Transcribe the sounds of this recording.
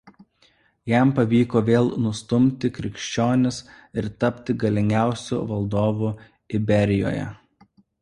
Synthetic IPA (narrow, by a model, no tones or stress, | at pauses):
jæˑmpɐʋʲiːkoːʋʲeːlˠnʊst̪ʊmʲt̪ʲɪkɾʲɪkʃʲt͡ʃʲoːnʲɪs | ɪɾt̪ɐpʲt̪ʲɪɡɐlʲɪŋʲɡʲæˑʊsʲṵːʋɐlˠd̪oːʋuː | ɪbʲɛɾʲɪjo̰ːjɛ̰